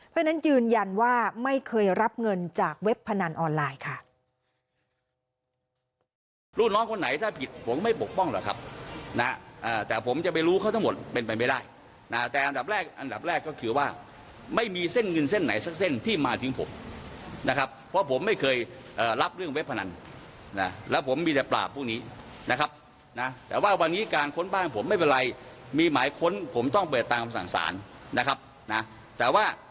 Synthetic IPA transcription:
pʰɔ˦˥t͡ɕʰana˦˥njɯː˧nja˧nwaː˥˩ma˥˩jkʰɤː˧jɾa˦˥p̚ŋɤ˧nt͡ɕaː˨˩k̚we˦˥pʰːa˧na˧nʔɔː˧nlaː˧jkʰa˥˩ | ɾuː˧˩nɔː˦˥ŋkʰo˧nːa˨˩˦jt̪ʰaː˥˩pʰi˨˩t̪̚pʰo˩˦mːa˥˩jpo˨˩k̚pɔ˥˩ŋlɛː˨˩kʰa˦˥p̚na˦ʔaː˨˩t̪ɛː˨˩pʰo˩˦mt͡ɕa˨˩p̬a˧jɾuː˦˥kʰa˥˩t̪ʰa˦˥ŋmo˨˩t̪̚pe˧npa˧jma˥˩daː˥˩j | na˦˥t̪ɛː˨˩ʔa˧nda˨˩p̚ɾɛː˥˩k̚ʔa˧nda˨˩p̚ɾɛː˥˩kːɔ˥˩kʰɯː˧waː˥˩ | ma˥˩jmiː˧se˥˩nŋɤ˧nse˥˩nːa̰˩˦jsa˦˥k̚se˥˩nt̪ʰiː˥˩maː˧t̪ʰɯ˩˦ŋpʰo̰˨˩˦mna˦˥kʰa˦˥p̚ʰːɔ˦˥pʰo˩˦mːa˥˩jkʰɤː˧j | ʔɤː˨˩ɾa˦˥p̚ɾɯ˥˩əŋwe˦˥pʰːa˧na˧n | na˦˥lɛː˦˥wpʰo˩˦mːiː˧t̪ɛ˨˩pla̰ː˨˩pʰːuː˥˩niː˦˥ | na˦˥kʰa˦˥p̚ | na˦˥t̪ɛː˨˩waː˥˩wa˧nːiː˦˥kaː˧nkʰo˧˥nbaː˥˩npʰo˩˦mːa˥˩jp̬e˧nɾa˧jmiː˧maː˩˦jkʰo˧˥npʰo˩˦mt̪ɔ˥˩ŋp̬ɤː˨˩t̪ːaː˧mʰa˧˩sa̰˨˩ŋsa̰ː˩˦nna˦˥kʰa˦˥p̚ | na˦˥ | t̪ɛː˨˩waː˥˩

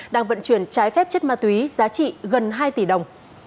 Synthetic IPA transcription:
ɗaː˧ŋvə̰˧˨nt͡ɕwi˧˩ənt͡ɕaː˨˦jfɛ˦˥p̚t͡ɕə˦˥t̚maː˧˩t̪wi˨˦zaː˨˦t͡ɕḭ˧˨ɣə˨˩nɦaː˧jt̪i˧˩ɗə˨˩wŋ͡m

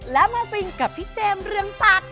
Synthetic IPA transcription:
laː˨˦mo˧pi˧ŋka˨˩p̚t̪ʰi˦˥k̚t̪ɛ˧mzɨ˧əŋfaː˦˥t̚

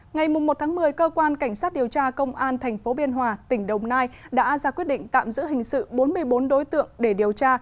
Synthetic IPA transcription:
ŋa˨˩jmʊ˨˩ŋ͡mmːo˨˩t̚t̪ʰaː˨˦ŋmɨ˨˩əjkəː˧kwaː˧nka˧˩jŋ̟saː˦˥t̚ɗi˨˩əwt͡ɕaː˧kə˧wŋ͡mʔaː˧nt̪ʰɛ˨˩ŋ̟fo˨˦ɓi˧ənɦwaː˨˩t̪ï˧˩ŋ̟ɗə˨˩wŋ͡mnaː˧jɗa̰ː˧˥zaː˧˩kwi˦˥ət̚ɗḭ˧˨ŋ̟t̪a̰ː˧˨mzɨ̰˧˥ɦï˨˩ŋ̟sɨ̰˧˨ɓo˨˦nmɨ˧əjɓo˨˦nɗo˨˦jt̪ɨ̰˧˨əŋɗe˧˩ɗi˨˩əwt͡ɕaː˧

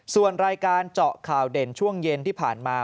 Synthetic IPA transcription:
su˨˩ənɾaː˧jkaː˧nt͡ɕɔ˨˩ʔkʰaː˨˩wde˨˩nt͡ɕʰu˥˩əŋje˧nt̪ʰiː˥˩pʰaː˨˩nmaː˧

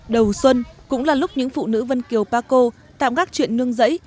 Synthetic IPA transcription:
ɗə˨˩wswə˧nkʊ̰˧˥ŋ͡mlaː˨˩lʊ˦˥k͡p̚ɲɨ̰˧˥ŋfṵ˧˨nɨ̰˧˥və˧nki˨˩əwpaː˧ko˧ | t̪a̰ː˧˨mkaː˦˥k̚t͡ɕwḭ˧˨ənːɨ˧əŋzə̰˧˥j

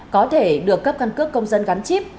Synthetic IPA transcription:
kɔ˨˦t̪ʰe˧˩ɗɨ˨˩əkːə˦˥p̚ka˧nkɨ˦˥əkːə˧wŋ͡mzə˧nɣa˨˦nt͡ɕi˦˥p̚

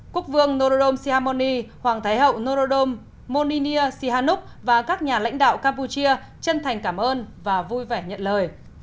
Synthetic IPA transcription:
ku˦˥ək̚vɨ˧əŋno˧ɾo˧ɗo˧msi˧haː˧mo˧ni˧hwaː˨˩ŋt̪ʰa˨˦jɦə̰˧˨wno˧zo˧ɗo˧mː | o˧ni˧ni˧əsi˧haː˧nʊ˦˥k͡p̚vaː˨˩kaː˦˥k̚ɲaː˨˩la̰˧˥jŋ̟ɗa̰ː˧˨wkaː˧mpu˧t͡ɕi˧ə | t͡ɕə˧nt̪ʰa˨˩jŋ̟kaː˧˩mʔəː˧nvaː˨˩vu˧jvɛ˧˩ɲə̰˧˨nləː˨˩j

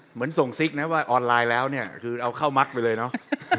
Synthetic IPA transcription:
mɯ˩˦ənso˨˩ŋsi˦˥k̚na˦˥waː˥˩ʔɔː˧nlaː˧jlɛː˦˥wni˥˩ɐkʰɯː˧ʔa˧wkʰa˥˩wma˦˥k̚pa˧jlɤː˧jnɔ˦˥ʔ

